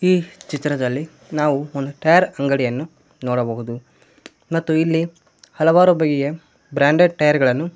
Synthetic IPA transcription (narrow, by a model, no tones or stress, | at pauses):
iːt͡ʃit̪ːɾɐd̪ɐlːi | naːʋuond̪uʈɐjɐɾɐŋɡɐɽijɐnːu | noːɽɐbɐɦud̪u | mɐt̪ːuilːi | hɐlɐʋaːɾubɐɡɛje | bɾaːɳɖeɖʈɐjɐɾɡɐɭɐnːu